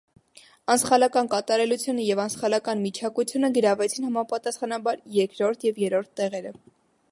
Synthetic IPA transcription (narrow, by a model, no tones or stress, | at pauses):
ɑnsχɑlɑkɑnkɑt̪ɑɾɛlut͡sʰjunəjɛvɑnsχɑlɑkɑnmit͡ʃʰɑkut͡sʰjunəɡəɾɑvɛt͡sʰinhɑmɑpɑt̪ɑsχɑnɑbɑɾjɛɾkɾɔɾt̪ʰjɛvjɛɾɔɾt̪ʰːɛʁɛɾə